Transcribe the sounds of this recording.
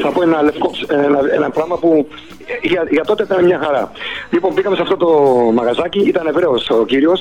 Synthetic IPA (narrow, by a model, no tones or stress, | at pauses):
θɐpoenɐlefkoseenɐenɐpɾɐɣmɐpu | ʝɐʝɐt̪o̞t̪e̞it̪ɐnemɲɐxɐɾɐlipo̞mbiɣɐmesɐft̪ot̪o̞mɐɣɐzɐciit̪ɐne̞vɾe̞osociɾio̞s